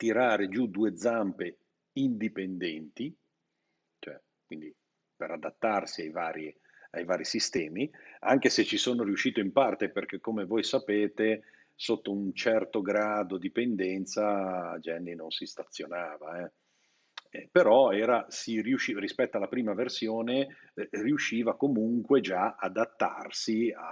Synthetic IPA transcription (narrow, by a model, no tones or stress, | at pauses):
t̪iɾaːɾed͡ʒud̪uːed̪zampe | ind̪ipend̪ɛnt̪i | t͡ʃoɛ | kwind̪i | peɾad̪at̪ːarsiajvaːɾje | ajvaːɾisist̪ɛːmia̰ŋk̟eset͡ʃisoːnoɾiuʃːiːt̪oimpart̪eperk̟ekːomevojsapeːt̪e | sot̪ːount͡ʃɛrt̪oɡɾaːd̪od̪ipend̪ɛnt̪saad͡ʒɛnːinonsist̪at̪sːjonaːvaɛ | ɛpeɾɔɛːɾasiriuʃirispɛt̪ːoalapɾiːmaversjoːne | riuʃːiːvakomuŋkwed͡ʒaad̪at̪ːa̰rsia